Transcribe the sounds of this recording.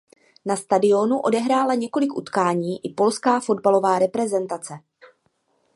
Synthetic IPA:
nast̪adɪo̞nuʔo̞dɛɦɾaːlaɲɛko̞lɪkʔṵt̪kaːɲiːʔɪpo̞lskaːfo̞dbalo̞vaːɾɛpɾɛzɛnt̪at͡sɛ

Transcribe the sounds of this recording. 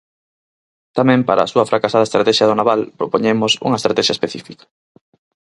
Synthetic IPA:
t̪amɛ̃mpaɾa̰suɐfɾakasað̞ɐest̪ɾat̪ɛʃjɐð̞onaβalpɾopoɲemʊsṵŋɐest̪ɾat̪ɛʃɐespeθifikɐ̥

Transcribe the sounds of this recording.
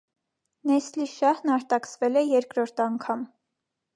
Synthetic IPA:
nɛsliʃɑhnɑɾt̪ɑksvɛlɛjɛɾkɾɔɾt̪ʰɑŋkʰɑm

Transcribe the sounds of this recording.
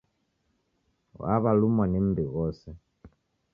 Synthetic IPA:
a̰βalumanimbiɣɔsɛ

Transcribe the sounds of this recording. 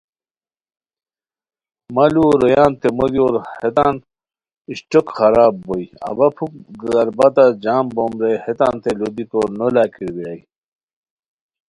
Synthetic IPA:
mɐluɾɐjaːnt̪emoljoːɾhet̪aːn | iɕʈokxɐɾaːbːojɐ̰bɐpʰukɡzɐɾbɐt̪ad͡ʑaːmbomɾehet̪a̰ːnt̪elod̪ikoːɾnolaːkʰiɾbiɽaj

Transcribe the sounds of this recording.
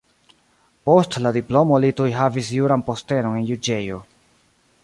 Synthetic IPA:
po̞stladiplo̞mo̞litujɦavisjuɾanpo̞ste̞no̞ne̞njud͡ʒe̞jo̞

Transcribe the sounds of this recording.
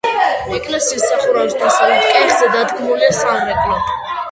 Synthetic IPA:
ɛkʼlɛsiːsːaχuɾabsd̪ʰasad̪at̪kʼɛχzɛd̪ad̪ɡʰmulɛsalɛkʼlɔ

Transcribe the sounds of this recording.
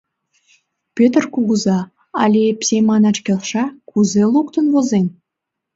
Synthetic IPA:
pʲøt̪ərkuɣuzɑ | ɑ̰lʲepsʲemɑnɑt͡ɕkʲelʃɑkuzelˠukt̪ə̆nvozenʲ

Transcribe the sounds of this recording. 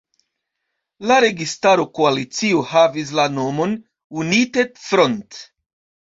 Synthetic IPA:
laɾe̞ɡistaɾo̞koalit͡siohavis̬lano̞mo̞n | unitetfɾont

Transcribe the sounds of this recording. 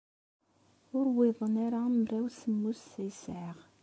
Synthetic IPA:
ʊɾwɪðˤənaɾamɾæwsəmːusːæjəsʕəʁ

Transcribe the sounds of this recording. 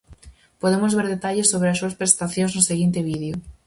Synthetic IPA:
poðemozβeɾðet̪aʎesoβ̞ɾeas̬uɐspɾest̪aθjõnznʊseɣint̪eβiðjo

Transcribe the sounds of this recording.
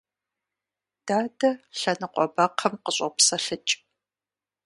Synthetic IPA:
d̥aːdɐɬɐnɨqʷʼɔbɐqʰɐmqəɕʷʼɔpsɐɬɨt͡ʃʼ

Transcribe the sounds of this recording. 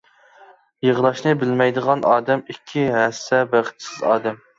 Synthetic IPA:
jəʁlˠɑʃnɨbɪlmɛjd̪əʁɑnʔɑːd̪ɛmikʲʰːiɦɛsːɛbæχɪ̥t̪sɪzɑːd̪ɛm

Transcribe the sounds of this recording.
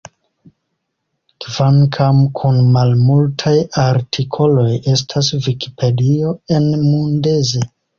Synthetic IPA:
kvaŋkʰamkʰunmalmultʰajaɾtʰikʰo̞lo̞je̞s̬tʰas̬viki̥pʰe̞dio̞e̞nmundeze

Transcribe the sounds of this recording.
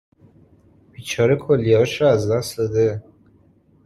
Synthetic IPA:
b̥iːt͡ʃʰɒɾekʰolːiɒʃɔæzd̪æsd̪ɒd̪e

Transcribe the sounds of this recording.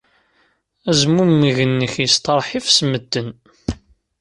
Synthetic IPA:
æzmumːiʝənːəçjəst̪ɑɾˤħifsməd̪ːən

